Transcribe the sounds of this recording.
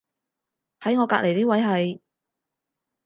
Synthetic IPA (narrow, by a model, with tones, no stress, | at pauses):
hɐ˨˥jŋɔː˨˧kaː˧lʔe˨˩jt̪iː˥wɐ˨˥jɦɐ˨j